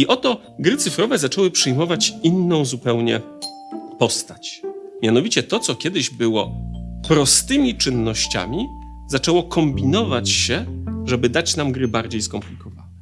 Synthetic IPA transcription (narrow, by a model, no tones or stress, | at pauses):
iʔɔt̪ɔ | ɡɾɘt̪sɘfɾɔvɛzat͡ʂɛwɘpʂɘjmɔvat͡ɕinːɔ̃w̃zupɛwɲɛ | pɔst̪at͡ɕmʲjanɔvʲit͡ɕɛt̪ɔt̪sɔkʲjɛd̪ɘʑbɘwɔpɾɔst̪ɘmʲit͡ʂɘnːɔɕt͡ɕa̰mʲi | zat͡ʂɛwɔkɔmbʲinɔvat͡ɕɕɛʐɛbɘd̪at͡ɕnamɡɾɘbaɾd͡ʑejskɔmplʲikɔva̰nɛ